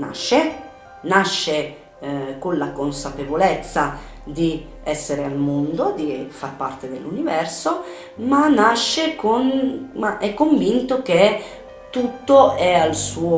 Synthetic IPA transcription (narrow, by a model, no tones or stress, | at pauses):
na̰ʃːe | naʃːe | konlakonsapevolɛt̪sːa | d̪i | ɛsːeɾealmond̪od̪ifarpart̪ed̪ḛlːunivɛrso | manaʃːekonmaʔɛkːoɱvint̪ok̟e | t̪ut̪ːoɛalsuːo